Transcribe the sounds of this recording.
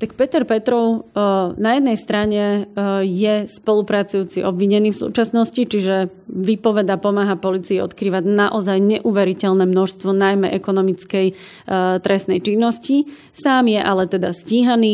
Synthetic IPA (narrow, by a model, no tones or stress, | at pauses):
t̪ak̚pɛt̪ɛɾpɛt̪ɾɔʊnajɛd̪nɛjst̪ɾaɲɛjɛspɔlupɾat͡sujuːt͡siʔɔbʋiɲɛniːfsṵːt͡ʃasnɔscit͡ʃiʒɛ | ʋipɔʋɛd̪apɔmaːɦapɔlit͡siiɔ̰t̪kɾiːʋaɟnaʔɔzajɲɛʔuʋɛɾicɛlnɛmnɔʃst̪ʋɔnajmɛʔɛkɔnɔmit͡skɛj | t̪ɾɛsnɛjt͡ʃinːɔsci | saːmjɛʔalɛt̪ɛd̪asciːɦaniː